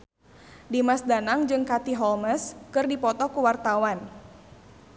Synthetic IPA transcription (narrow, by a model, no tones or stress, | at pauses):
dimasdanaŋd͡ʒɨŋkat̪iɦɔlməskɨrdipɔt̪ɔkuwart̪awan